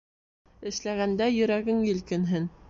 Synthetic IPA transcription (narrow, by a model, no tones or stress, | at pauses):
ɘ̆ʃlæɣænd̪æjɵ̆ɾæɡɘŋjɘ̆lkɘ̆nɦɘn